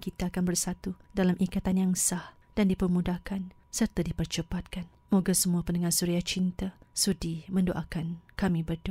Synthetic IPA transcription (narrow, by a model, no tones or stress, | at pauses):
kit̪aːkanbərsat̪udalamʔikat̪anjaŋsah | d̥andipərmũdahkan | sərt̪adipərt͡ʃəpat̪̚kan | moɡasəmũapəndəŋasuɾiaht͡ʃint̪asudimə̃ndoʔakankamĩbərdu